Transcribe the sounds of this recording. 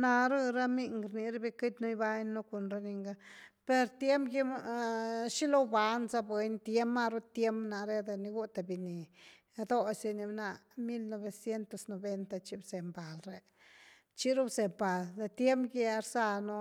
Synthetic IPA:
na˧ɾu˦ɾa˦mi˧ŋɡɾni˧ɾa˦bi˧kɨ˦t̪ʲnu˦jba˦jno˦ku˨nɾa˧˦ni˧ŋɡa˦pe˧ɾt̪je˦mpɡi˦m˧ʃi˦lo˦ba˧nza˦bwe˧nt̪je˦ma˦˧ɾu˦t̪je˦mbna˨ɾe˦d̪e˧ni˧ɡu˦t̪a˨bi˨ni˨˧ | d̪o˦se˧ni˧bna˧ | mi˦lno˧βe˨sje˦nt̪o˧sno˨be˦nt̪a˧t͡ʃi˧bze˨mba˨lɾe˨ | t͡ʃi˦ɾu˦bze˨mba˨ld̪e˧t̪je˦mpɡe˧˦a˧ɾsa˧no˦

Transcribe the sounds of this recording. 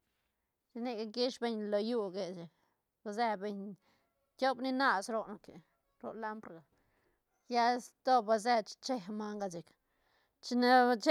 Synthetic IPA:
t͡ʃi˧ni˦˧ɡa˧ɡi˦ʂbe˧ɲlo˧ju˧ɡe˧˨t͡ʃi˨k | ba˧ze˧be˧ɲ | t̪ʲjo˦bni˦na˧sɾo˧no˧ke˨ | ɾo̰˧la˦mpɾɡa˨ | ja˦st̪o˦ba˧ze˧t͡ʃt͡ʃe˧ɦma˧ŋɡa˧t͡ʃi˨k | t͡ʃi˧na˧t͡ʃ

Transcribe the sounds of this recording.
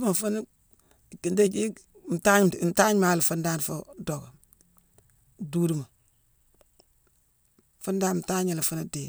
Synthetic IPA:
ma˨fu˦n˦˨ | ki˨nde˦d͡ʒi˦ | m̩˨ta˦ɲ˨nta˦ɲ˦ma˨li˨fu˦nda˦n˨fu˦do˨ɡa˨ | duː˦di˦ma˨ | fu˦ndaː˦nm̩˨ta˦ɲa˨li˨fu˦na˦di˨

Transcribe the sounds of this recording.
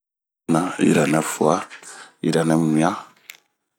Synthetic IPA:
na˨ḭ˨ɾa˨nɛ˨fu˨a˦ḭ˨ɾa˨nɛ˨mĩ˨a˦

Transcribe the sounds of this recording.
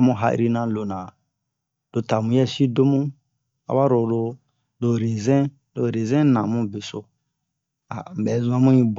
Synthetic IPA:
mũ˧ɦa˨ʔḭ˦ɾi˦˧nã˧˦lo˨nã˨ | d̥o˧ta˨mũ˨˦jɛ˦si˦do˦mũ˦ | a̰˨ba˦ɾo˨lo˧ | do˨ɾe˨zɛ̃˦ | do˨ɾe˨zɛ̃˦nã˨mũ˦be˨so˨ | a˨bɛ˨˦zũ˦a˦mũ˦ĩ˦b

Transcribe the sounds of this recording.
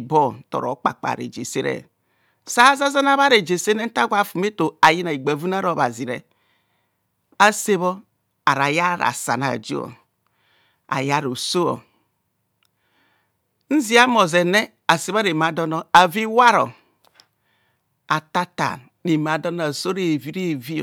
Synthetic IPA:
bɔ˦tɔ̰˨ɾɔ̰˨˦k͡pa̰˨k͡pa̰˨ɾḛ˨d͡ʒe˨se˦ɾɛ̰˨ | sa˦za˦za˦na˦βa˦ɾe˨d͡ʒe˨se˦ne˦n̩˦ta˦ɡʷa˨fu˨me˦to˨a˨ji˦na˨i˨ɡ͡ba˨vu˦n˦a˦ɾo˨βa˨zi˨ɾɛ̰˨ | a˦se˦βɔ˦ | a˨ɾa˨ja˦ɾa̰˨sa̰˨na̰˨d͡ʒṵ˦ɔ̰˨ | a̰˨ja˦ɾo˨so˦o̰˨ | n̩˦zi˦a˦mo˨ze˨nɛ˦ | a˨se˨βa˦ɾe˨m˨a˨dɔ˦nɔ˦a˨vi˦wa˦ɾɔ̰˨ | a˨ta˦ta̰˨ | ne˨m˨a˨dɔ˦n˦a˨so˦ɾe˦˨vi˦ɾe˦˨vi˦˨

